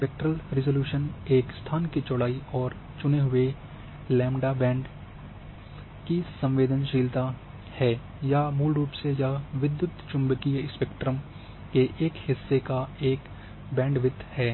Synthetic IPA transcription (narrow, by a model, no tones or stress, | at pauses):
spek̚ʈɾəlɾɪzoːljuːʃəneːkst̪ʰaːnkit͡ʃɔːɽaːiɔːɾ | t͡ʃʊneɦʊe | lɛ̃ːmɖabɛ̃ːɳɖ | kisɐ̃mʋeːd̪ənʃiːlt̪a | hɛː | jamuːlɾuːpsejaʋɪd̪jʊt̪t͡ʃʊ̃mbkieɪspɛkʈɾəm | keʔeːkhɪsːekaeːk | bɛ̃ːɳɖʋɪd̪ʱːhɛː